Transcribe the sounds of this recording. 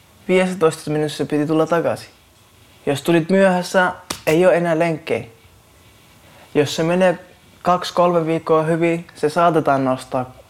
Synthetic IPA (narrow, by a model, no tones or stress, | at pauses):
ʋiːesæt̪oist̪ɑminyssepit̪it̪ulːɑt̪ɑɡ̥ɑ̰si̥ | jost̪ulit̪myøhæsːæeioːenæːleŋkːḛi | josːemene | kɑkskolmeʋiːkːoːhyʋisesɑːt̪et̪ɑːnnost̪ɑː